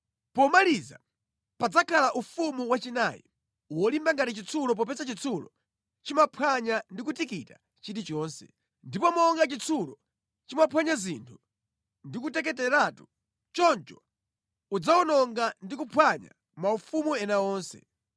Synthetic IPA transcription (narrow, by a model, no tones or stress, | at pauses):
pɔmaliza̰ | pad͡zakʰalaʔufumuwat͡ʃinajḭ | uwɔlimbaŋɡatit͡ʃit͡sʰulɔp̬ɔpɛsat͡ʃit͡sʰulɔ̰ | t͡ʃimapʰwaɲandik̬utikita | t͡ʃiɾit͡ʃɔːnsɛ̰ | ndipɔmɔːŋɡat͡ʃit͡sʰulɔ | t͡ʃimapʰwaɲazintʰu̥ | ndik̬utɛk̬ɛtɛɾatu̥ | t͡ʃɔnt͡ʃɔ | ud͡zaɔnɔŋɡandikupʰwaɲa̰ | maufumuɛnaɔːnsɛ̰